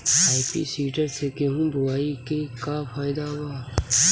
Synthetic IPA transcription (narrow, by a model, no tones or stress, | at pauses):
aːɪpḭsiːʈəɾsekeɦũd̪ʊwaːikekafaːɪd̪abaː